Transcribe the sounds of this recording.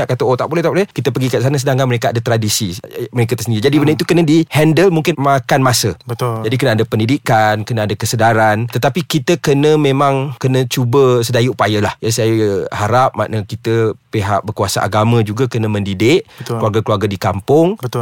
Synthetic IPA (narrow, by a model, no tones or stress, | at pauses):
aʔkat̪əot̪aʔbolɛht̪aʔbolɛhkit̪əpəɡikaʔs̬anəsədaŋkaŋməɾekaadat̪ɾadisiməɾekat̪əsəndiəd͡ʒadibəndəit̪ukənədihɛndəlmuŋkɪnmakanmasəbət̪ʊd͡ʒadik̬ənaːdapəndidikankənaadakəsədaɾant̪ət̪apikit̪əkənəmẽmãŋkənət͡ʃubəsədajiupajalahjasajhaɾap̚ma̰ʔnəkit̪əpeɦa̰ʔ̚bərkuasaʔa̰ɡamə̃d͡ʒuɡakənəmə̃ndidɪʔkəluarɡakəluarɡadikampʊŋbə